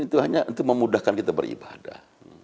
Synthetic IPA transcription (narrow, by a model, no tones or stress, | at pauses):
it̪uɦaɲaʔnt̪ʊk̚məmudahkankit̪abə̰ɾḭbada̰h